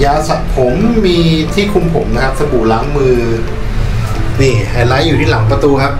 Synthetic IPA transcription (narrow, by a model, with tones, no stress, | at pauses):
jaː˧sa˨˩pʰo˩˦mːiː˧t̪ʰiː˥˩kʰu˧mpʰo˩˦mna˦˥kʰa˦˥p̚sa˧bu˨˩laː˩˦ŋmɯː˧ | niː˧˩haː˨˩laː˦˥jːuː˨˩iː˥˩la˩˦ŋpɾa˧t̪uː˧kʰa˦˥p̚